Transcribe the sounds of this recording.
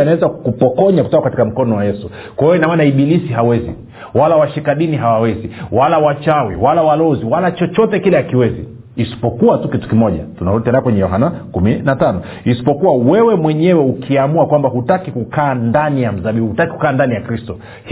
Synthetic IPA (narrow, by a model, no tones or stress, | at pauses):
anawɛzakupɔkɔɲaku̥tɔkakati̥kam̩kɔnɔwajɛsu | kwahɛjɔinamanaiɓilisiɦawɛzḭ | walawaʃikaɗiniɦawawɛziwalawat͡ʃawḭwalawalɔziwalat͡ʃɔt͡ʃɔtɛkilɛakiwɛzḭː | si̥pɔkuwatukitu̥kimɔʄa̰tunaɔtɛnakwɛɲɛjɔɦanakuminatanɔ | isi̥pɔkuwawɛwɛmwɛɲɛwɛukʰiamuakwambahutakikukaːndanijam̩zaɓiɓuhutakiku̥kaːndanijakɾistɔ | h